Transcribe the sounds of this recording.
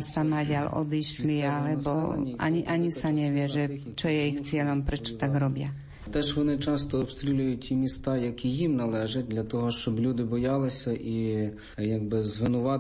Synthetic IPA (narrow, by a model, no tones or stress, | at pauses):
samaɟʲalʔɔ̰d̪iʃlialɛbɔa̰ɲiʔaɲisaɲɛʋjɛʒɛ | t͡ʃɔjɛixt͡sɪɛlɔmpɾɛt͡ʃɔ̥t̪aɡɾɔbja | t̪ɛʒʋɔnɪt͡ʃɑst̪ɔːpst̪ɾʲilʲujʊt̚ʲtʲimʲist̪ajɐkʲijimnɐlˠɛʒɐt̚ʲd̪lʲɐt̪ɔɦɔʃt͡ʃɔblʲud̪ɪbɔjalˠɪsʲɐʔi | jaɡ̚bɪzʋɪnʊʋa